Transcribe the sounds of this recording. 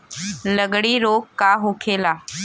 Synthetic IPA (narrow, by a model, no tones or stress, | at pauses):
ləɡɽiːɾoːkkaɦokʰelaː